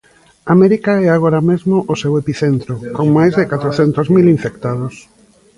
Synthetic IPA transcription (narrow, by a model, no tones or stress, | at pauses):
amɛɾikaɛaɣ̞oɾamezmoʔosewepiθent̪ɾokoŋmajzðɪkat̪ɾoθent̪ozmiliɱfekt̪aðos